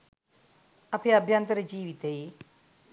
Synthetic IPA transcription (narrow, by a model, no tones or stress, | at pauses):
ɐpʰeɐbʱjant̪ɐɾɐd͡ʒiːʋit̪ei